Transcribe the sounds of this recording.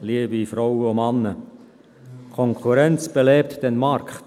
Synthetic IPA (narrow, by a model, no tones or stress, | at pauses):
liəbifɾɔwəomɑnːə | kʰɔŋkʰχuɾɛnt͡sb̥eleːp̚td̥ɛnmɑɾkχt